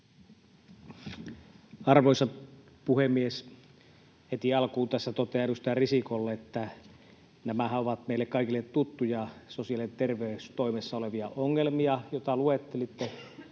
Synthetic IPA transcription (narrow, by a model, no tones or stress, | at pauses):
ɑrʋoisɑ | puhemːies | het̪iɑlkuːt̪æsːæt̪ot̪eɑnust̪ɑɑrisikolːeet̪ːæ | næmæhæoʋɑt̪̚meilːekkɑikilːet̪t̪ut̪ːujɑsosiɑlient̪erʋeyst̪oimesːɑoleʋiɑʔoŋːelmiɑjot̪ɑluet̪ːelit̪ːe